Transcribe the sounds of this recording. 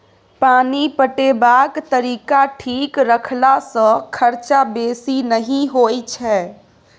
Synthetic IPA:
paːnipəʈebaːkt̪əɾiːkaʈʰiːkɾəkʰlasə̃kʰəɾt͡ʃabeːsinəɦĩɦoːit͡ʃʰɛ

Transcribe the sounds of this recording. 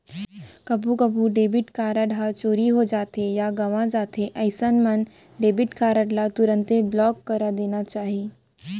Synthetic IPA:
kəbʱukəbʱuɖebiʈkaɾəɽɦat͡ɕoɾiɦod͡ʑat̪ejaɡəʋãd͡zat̪eʔəjsənmən | ɖebiʈkʰaɾəʈlat̪uɾənt̪eblɔkːəɾad̪eñat͡ɕaɦi

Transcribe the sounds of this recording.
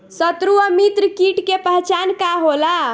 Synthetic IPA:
sət̪ɾuəmit̪ɾəkiʈkepəɦt͡ʃankaɦola

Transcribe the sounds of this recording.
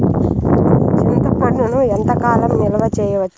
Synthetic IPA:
t͡ʃint̪upɐɳːunuent̪ɐkaːlɐmnilɐʋɐt͡ʃɛːjɐʋɐt͡ʃːu̥

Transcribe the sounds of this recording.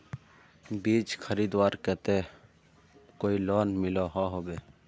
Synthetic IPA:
biːt͡ʃkʰəɾiːd̪waːɾkɛːt̪eː | koːiloːnmɪloːɦaːɦoːbeː

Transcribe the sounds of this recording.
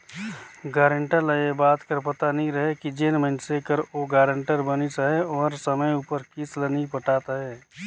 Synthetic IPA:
ɡaːɾəɳʈəɾləjebaːt̪kəɾpət̪anĩɾəɦekid͡ʒenməɪnsekəɾoɡaːɾəɳʈəɾbənisaɦeɔːɾsəməjupəɾkɪslənipəʈaːt̪aɦɛː

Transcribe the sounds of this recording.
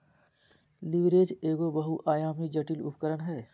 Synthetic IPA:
liʋɾeːd͡ʒeːɡobəɦuʔaːjaːmid͡ʒɐʈiːlʊ̰pkəɾəɳɦɛː

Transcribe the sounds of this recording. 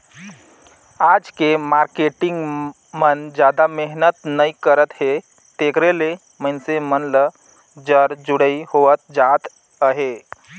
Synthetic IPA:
ad͡ʒkemaɾkeʈɪŋɡ | mənd͡ʒjad̪ameɦnət̪nəikəɾət̪he | t̪ekɾele | mənsemənlə | d͡ʒəɾd͡ʒuɽəihoət̪̚d͡ʒat̪ | əɦe

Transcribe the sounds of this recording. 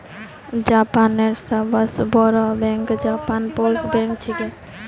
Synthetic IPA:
d͡ʒapanːeɾsabəsbɔɾɔbɛŋkd͡ʒapanposbɛ̃ŋk̚t͡ʃʰike

